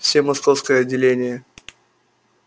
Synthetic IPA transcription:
fsʲemɐskofskəjəɐdʲːɪlʲenʲɪjə

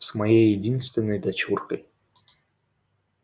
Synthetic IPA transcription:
smɐjejːɪdʲinst̪vʲɪnːəjd̪ɐt͡ɕurkəj

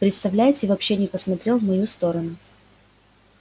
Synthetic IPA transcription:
pɾʲɪt̪st̪ɐvlʲæjɪtʲɪvɐpɕːenʲɪpəsmɐt̪ɾʲe̞lˠvmɐjust̪o̞ɾənʊ

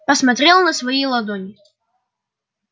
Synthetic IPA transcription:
pɐsmɐt̪ɾʲelˠnɐsvɐilˠɐd̪onʲɪ

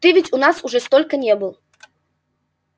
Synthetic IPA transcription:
t̪ɨvʲetʲunɑsuʐɛst̪olʲkənʲebɨlˠ

